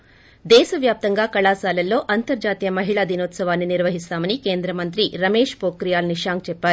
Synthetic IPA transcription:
d̪ɛːʃɐʋjaːp̚t̪ɐŋɡaːkɐɭaːsaːlɐlːo̞ːʔɐnt̪ɐɾd͡ʒaːt̪ijɐmɐɦiɭad̪inoːt̪sɐʋaːnːiniɾʋɐɦist̪aːmɐnike̞ːnd̪ɾɐmɐnt̪ɾiɾɐme̞ːʂpoːkɾijaːlniʂaːŋkt͡ʃɛpːaːɾu

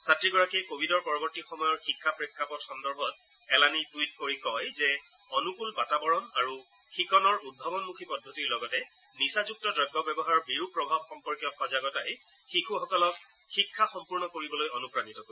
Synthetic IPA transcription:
satɹiɡɔɹakikobʱidɔɹpɔɹɔbɔɹtixɔmɔjɔɹxikʰːapɹekʰːapɔtxɔndɔɹbʱɔt̚ | ɛlanitwit̚koɹikɔjzɛ | ɔnukulbatabɔɹɔnaɹu | xikɔnɔɹud̚bʱabɔnmukʰipɔdʱːotiɹlɔɡɔtɛ | nisazuk̚tɔdɔɡʱːɔbɛbɔɦaɹɔbiɹupɹɔbʱab̚xɔmpɔɹkjɔxɔzaɡɔtajxikʰuxɔkɔlɔk̚ | xikʰːaxɔmpuɹnɔkoɹibɔlojɔnupɹanitɔko

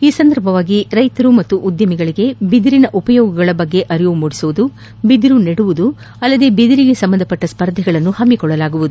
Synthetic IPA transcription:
iːsɐnd̪ʱɐɾbʱɐʋaːɡiɾɐjt̪ɐɾumɐt̪ːuʔud̪jɐmiɡɐɭiɡe̞bid̪iɾinɐʔupɐjɔːɡɐɡɐɭɐbɐɡːe̞ʔɐɾijumuɽisuʋud̪u | bid̪iɾuneɽuʋud̪u | ɐlːɐd̪e̞bid̪iɾiɡe̞sɐmbɐnd̪ɐpɐʈːɐspɐɾd̪ʱɛɡɐɭɐnːuhɐmːikɔɭːɐlaːɡuʋud̪u

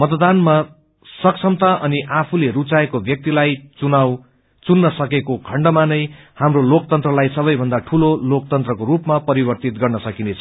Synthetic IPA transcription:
mʌt̪d̪anma | sʌksʌmt̪aʔʌniʔapʰuleɾut͡saekobʱjʌk̚t̪ilajt͡sunaw | t͡sunːʌsʌkekokʰʌɳɖʌmanʌj | hamrolokt̪ʌnt̪rʌlajsʌbʌjbʱʌnd̪aʈʰulolok̚t̪ʌnt̪rʌkoɾupmapʌɾibʌrt̪it̪̚ɡʌrnʌsʌkinet͡sʰʌ̥

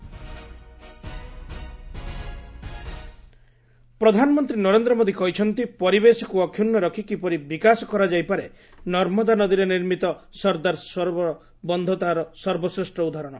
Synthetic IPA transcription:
pɾɔd̪ʱanɔmɔnt̪ɾinɔɾend̪ɾɔmod̪ʱikɔɦit͡ʃʰɔnt̪ipɔɾibesɔkuɔkʰjunːɔɾɔkʰikipɔɾibikasɔkɔɾad͡ʒajpaɾe | nɔɾmɔd̪anɔd̪iɾeniɾmit̪ɔsɔɾd̪aɾsɔɾbɔ | bɔnd̪ʱɔt̪aɾɔsɔɾbɔsɾesʈɾɔud̪ʱaɾɔɽ̃ɔ

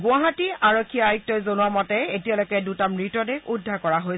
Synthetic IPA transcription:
ɡʊaɦatiaɹokʰːiaajk̚tɔjzonuamɔtɛetialojkɛdutamɹitɔdekudʱːaɹkɔɹaɦoj

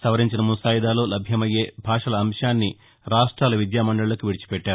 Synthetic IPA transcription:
sɐʋɐɾiɲt͡ʃinɐmusaːjid̪aːloːlɐbʱjɐmɐjeːbʱaːʂɐlɐːmʂaːnːi | ɾaːʂʈɾaːlɐʋid̪jaːmɐɳɖɐɭɐlɐkuʋiɽit͡ʃi̥pɛʈːaːɾu

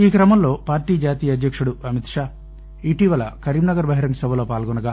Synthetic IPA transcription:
iːkɾɐmɐmlo̞ːpaːɾʈiːd͡ʒaːt̪iːjɐd̪jɐkʂuɽuɐmit̪ʂaː | iʈiʋɐlɐ̰kɐɾiːmnɐɡɐɾbɐɦiɾɐŋɡɐsɐbʱɐlo̞ːpaːlɡɔnɐɡaː

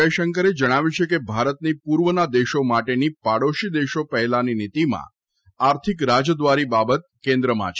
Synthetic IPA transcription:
eʃəŋkəɾed͡ʒəɽ̃aʋjut͡ʃʰekebʱaɾət̪nipuɾʋənad̪eʃomaʈenipaɽoʃid̪eʃopəɦɛlaninit̪imã̰ | aɾt̪ʰikɾad͡ʒəd̪ʋaɾibabət̪̚kẽnd̪ɾəma̰t͡ʃʰ

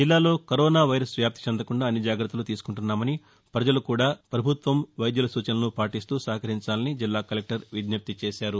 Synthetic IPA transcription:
d͡ʒilːaːlo̞ːkɐɾɔːnaːʋɐjɾɐsʋjaːpt̪i̥t͡ʃɐnd̪ɐkuɳɖaːɐnːid͡ʒaːɡɾɐt̪ːɐlut̪iːsu̥kuɳʈunːaːmɐni | pɾɐd͡ʒɐlukuːɽaːpɾɐbʱut̪ʋɐmʋɐjd̪julɐsuːt͡ʃɐnɐnupaːʈist̪uːsɐːɦɐkɐɾiɲt͡ʃaːlɐnid͡ʒilːaːkɐlek̚ʈɐɾʋid̪nɐp̚t̪it͡ʃeːʃaːɾu

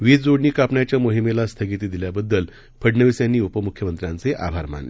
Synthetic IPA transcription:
ʋiːd͡zoɽɳiːkapɳjat͡ɕjamoɦimelast̪ʰəɡit̪id̪iljabəd̪ːəl | pʰəɖnəʋisjanːiːupəmukʰjəmənt̪ɾjãnt͡seʔa̰bʱaɾma̰nlḛ

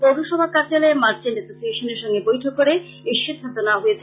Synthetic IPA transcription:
poɾoʃɔbʱakaɾd͡ʑaleemaɾt͡ɕinɖesosieʃoneɾʃɔŋɡebojʈʰokːoɾe | iʃid̪ʰʱat̪onaɦoet͡ɕʰe

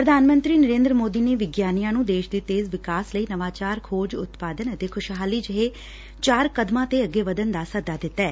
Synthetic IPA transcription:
pɾəd̪ʱaːnmə̃nt̪ɾiːnəɾẽːnd̪ɾəmoːd̪iːneːʋɪɡjaːnijãːnũːd̪eːʃd̪iːt̪eːzʋɪkaːsləiːnəʋaːt͡ʃaːɾkʰoːd͡ʒʊt̪paːd̪ənət̪eːkʰʊʃɦaːliːd͡ʒəɦeː | t͡ʃaːɾkəd̪mãːt̪eːəɡeːʋəd̪ənd̪aːsəd̪aːd̪ɪt̪ːɛː

